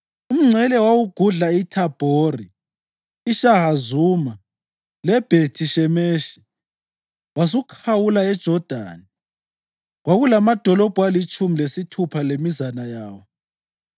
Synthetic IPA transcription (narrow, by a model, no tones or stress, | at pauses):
um̩ŋ͡ǀʱɛlɛwawuɡ̥ʱuɮaitʰab̥ʱoriː | ʃaɦazuːma | lɛb̥ʱetʰiʃɛmeːʃi̥ | wazukʰawulaɛd̥ʒ̥ʱɔd̥ʱa̰ːni | ɣwaɣulamad̥ʱɔlɔb̥ʱwalit͡ʃʼumilesitʰupʰalemizanajaːwɔ